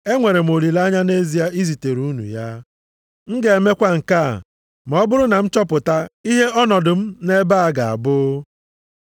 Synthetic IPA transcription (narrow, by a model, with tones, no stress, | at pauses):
e˦ŋʷe˨ɾe˨m̩˨o˨li˨la˦ɲa˦ne˦zi˨˦a˦i˦zi˨te˨ɾu˦nṵ˨ja˦ | ŋ̩˦ɡe˨e˨me˦kʷa˦ŋ̩˨ka̰˦˨ | m̩˨˦ɔ˦bʊ˦ɾʊ˦na˨m̩˦t͡ʃɔ˦pʊ˨ta˦i˦ɦe˦ɔ˦nɔ˨dʊ˨m̩˦ne˦ba˦a˨ɡa˨a̰˨bʊ˦